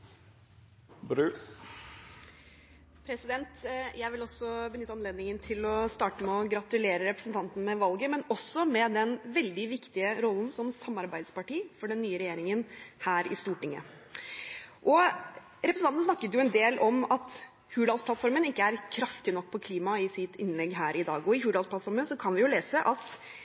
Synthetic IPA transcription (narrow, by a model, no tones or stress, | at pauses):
bɾʉ | pʰɾɛsɪd̪ɛnt̪jʔæɪʋɪlɔsːɔbənʏt̪ːɑnleːd̪nɪŋənt̪ʰɪlɔst̪ɑːʈəmɛɔɡɾɑt̪ʉleːɾəɾɛpɾəsən̩t̪ɑnt̪n̩mɛʋɑlɡəmɛnɔsɔmɛd̪ɛnʋɛld̪ɪʋɪkt̪ɪəɾɔlːn̩sɔmsɑmːɑɾbæɪd̪spɑʈiːfɔɖɛnːyːəɾɛjeːɾɪŋənhæːɾɪ̰st̪uːʈɪŋːə̰ | ʔɔ | ɾɛpɾsɑnn̩snɑkːət̪jʊɛnd̪eːlʔɔmɑt̪ | hʉːɖ̪ɑːlspʰlɑt̪fɔɾmənɪkːəæɾkʰɾɑft̪ɪnɔk̚ːpʰɔkʰliːmɑɪsɪt̪ɪnlɛɡːɦæːɾʔɪd̪ɑ̰ːɡɔɪhʉːd̪ɑlspʰlɑt̪fɔɾmənsɔkʰɑnʋɪjʊleːsəʔɑt̪